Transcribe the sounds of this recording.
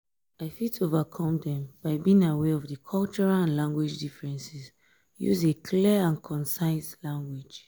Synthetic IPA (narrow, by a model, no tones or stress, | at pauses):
aɪfitovakʰɔ̃mdɛ̃mb̥aɪbĩĩŋawɛɔvdəkʰɔlt͡ʃɔɹalãnlãŋɡwid͡ʒdifɹɛ̃nsis | jṵzekʰliãnkʰɔ̃nsaɪslãŋɡwi̥d͡ʒ